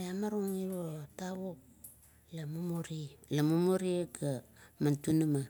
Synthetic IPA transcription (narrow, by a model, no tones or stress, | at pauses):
eamaɾoŋiɾotaβok̚ | lamumoɾilamumoɾieɡa | mantunama